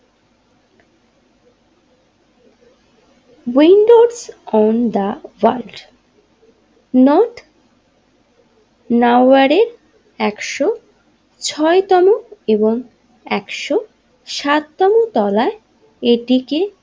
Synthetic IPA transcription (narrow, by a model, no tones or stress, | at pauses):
winɖoɖsɔnd̪əwalɖ | nɔʈ | nawaɾeɾ | ɛkʃo | t͡ɕʰɔet̪ɔmoeboŋ | ɛkʃo | ʃat̪ːɔmot̪ɔlae | eʈike